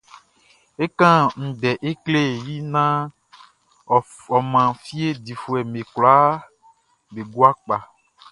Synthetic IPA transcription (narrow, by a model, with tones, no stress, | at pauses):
e˦kã˦ŋ̩̃˨ɖɛ˨ʔe˦kle˦˨ji˦nã˦˨ | ɔ˨mã˨fi˦e˦di˨fu˨ɛ˨me˨kla˦ | be˨ɡu˦a˦k͡pa˨